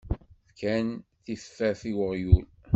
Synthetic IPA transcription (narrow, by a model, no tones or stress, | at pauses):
θkænθiffːæθiwəʁjul